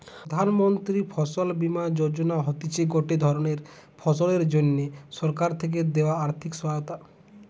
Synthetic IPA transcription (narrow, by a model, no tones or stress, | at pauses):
d̪ʱanmɔnt̪ɾipʰɔsɔlbimad͡ʑoɾd͡ʑonaɦɔt̪it͡ɕʰeɡoʈed̪ʱɔɾoneɾ | pʰɔsɔleɾd͡ʒonːesɔɾkaɾt̪ʰek̬ed̪eoaaɾt̪ʰikswaot̪a